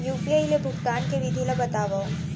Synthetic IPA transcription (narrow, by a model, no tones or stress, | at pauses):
juːpiajlebʱʊɡt̪aːnkeʋɪd̪ʱilabɐt̪aːʋao